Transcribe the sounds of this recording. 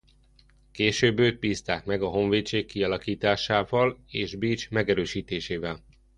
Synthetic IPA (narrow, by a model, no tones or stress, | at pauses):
keːʃøːbøːt̪̚piːst̪aːkmɛɡɒɦo̞ɱveːt͡ʃeːkːiɒlɒkiːt̪aːʃaːvɒleːʒbiːt͡ʃmɛɡɛɾøːʃiːt̪eːʃeːvɛl